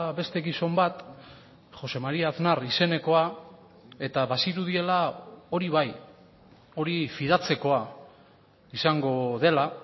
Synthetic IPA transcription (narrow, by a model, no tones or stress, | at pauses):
βe̞st̪e̞ɣiso̞mbat̪ | χo̞se̞maɾiaθnaɾise̞ne̞ko̞a | e̞t̪aβasiɾuðie̞lao̞ɾiβ̞aj | o̞ɾifiðat͡se̞ko̞a | isaŋɡo̞ðe̞la